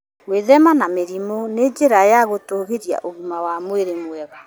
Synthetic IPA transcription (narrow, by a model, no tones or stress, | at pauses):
ɣweðɛmanameɾimɔned͡ʒeɾajaɣotoːɣeɾja̰ʔoɣimawamweɾemwɛɣa